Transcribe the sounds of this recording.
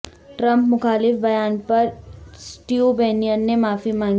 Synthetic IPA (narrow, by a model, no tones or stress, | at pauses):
ʈɾɐ̃mpmʊxaːlɪfbɐjaːnpɐɾsʈiobeːnijənnemaːfimãːŋ